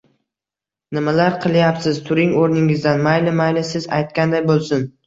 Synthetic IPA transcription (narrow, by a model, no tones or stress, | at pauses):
nɪmalaɾqʰɨlˠjapsɪzt̪ʰʊɾɪŋoɾnɪŋɪzd̪anmajlɪmajlɪsɪza̰jt̪̚kʲand̪ajbolˠsʊn